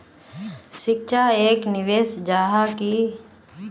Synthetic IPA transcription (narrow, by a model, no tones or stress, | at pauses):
ʃɪkʃaeːknɪʋeːsd͡ʒaːɦaki